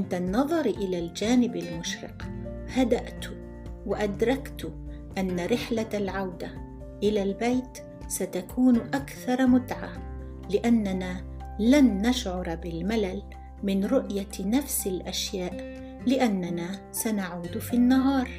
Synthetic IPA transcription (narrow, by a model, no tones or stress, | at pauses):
ʔɪnt̪anːɑðˤɑɾʔɪlaːld͡ʒaːnɪbalmʊʃɾɪ̰qhad̪aʔt̪ | waʔad̪ɾˤɑkt̪ʊ | ʔanːaɾɪħlalʕawd̪a | ʔɪlalbajt̪ | sat̪akʰuːnʔakθɑɾˤmʊd̪ʕa | lɪʔanːanaː | lanːaʃʕʊɾˤbɪlmalal | mɪnɾʊʔjanafsɪlʔaʃjaːʔ | lɪʔanːanaː | sanaʕuːd̪finːaɦɑːɾˤ